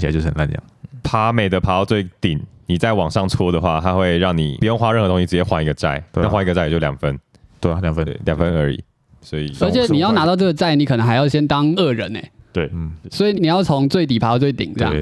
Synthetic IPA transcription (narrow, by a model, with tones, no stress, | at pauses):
i˨˧˩t͡ɕo˥˧˩ʂə˨˩nma˥˧˨njɑ̰˩˦ŋpʰa˧˥me˨˩ɪd̪ə˩pʰa˧˥˧t͡swe˥˩ɪt̪i˨˩˦ni˨˩t͡sa˥˩ɪwɑ˨˩ŋʂɑ˥˩ŋt͡sʰwɔ˥d̪ə˨xwa̰˥˧˩t̪ʰa˥xwe˥˧ɪɻɑ˥˩ŋnḭ˨˩u˨jo˥˧ŋxwa˥ɻxɤ˧t̪ʰŋ˥ɕi˥˩ɻ̩˧˩jɛ˥˩xwa˧˥i˧˥ɡə˧t͡sa̰˥˩ɪna˥˩˨wa˥i˧˥ɡə˧t͡sa˥˩˨t͡ɕjo˥˩ljɑ˨˩ŋfə˦n | t̪we˥˩ljɑ˨˩ŋfə˦˥˩ljɑ˨˩ŋfə˦nə˞˧˥ḭ˨˩˦ | swɔ˧˥ḭ˨ə˞˧˥t͡ɕʰɛ˨˦ni˨˩jɑ˥˩ʊna˧˥t̪ɑ˥˧ʊʈ͡ʂɤ˥˩ɡə˩t͡sa˥˩ɪni˨˧˥kʰɤ˨˩n˧˦ŋxa˧ɪjɑ˥˩ʊɕjɛ˥nt̪ɑ˦ŋə˥˩ɻə̰˧˦nḛ˨˦t̪we˥˩ɪn̩˥˩swɔ˧˥i˨˩ni˨˩jɑ˥˩ʊt͡sʰo˧˦ŋt͡swe˥˩ɪt̪̬i˨˩pʰa˧˥˧t͡swe˥˩ɪt̪ḭ˨˩ŋt͡ɕj̰